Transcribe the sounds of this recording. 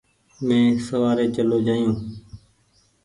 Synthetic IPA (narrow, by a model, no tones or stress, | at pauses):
mẽːsəʋaːɾeːt͡ʃəloːd͡ʒaːijũː